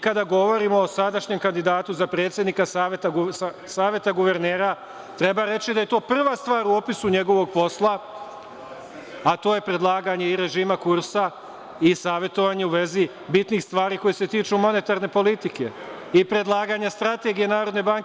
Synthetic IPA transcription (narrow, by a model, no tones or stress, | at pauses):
kad̪aɡo̞ʋo̞ɾimoːsad̪aʃɲe̞mkand̪id̪aːt̪uzapɾet̪sjed̪nikasat̪a | saːʋje̞t̪aɡuʋe̞ɾneːɾa | t̪ɾe̞baɾe̞t͡ɕid̪aje̞t̪o̞ːpr̩ʋast̪ʋaːɾuo̞pisuɲe̞ɡo̞ʋo̞ɡ̚po̞slˠa | at̪oːje̞pɾe̞d̪lˠaːɡaɲe̞iɾe̞ʒiːmakuɾsa | isaːʋʲjet̪o̞ʋaɲe̞uʋe̞zi | bit̪nixst̪ʋaːɾiːko̞jese̞t̪iːt͡ʃumo̞ne̞t̪aɾne̞po̞lit̪ike̞ | ipɾe̞d̪lˠaːɡaɲest̪ɾat̪e̞ɡije̞naːɾo̞d̪nebaŋke